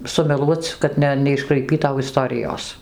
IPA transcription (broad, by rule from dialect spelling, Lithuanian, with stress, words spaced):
sʊmʲɛˈlˠuɔt͡s kɐt ˈnʲɛ nʲɛɪʃkrɐɪˈpʲiːtɐʊ ɪˈstoːrʲɪjoːs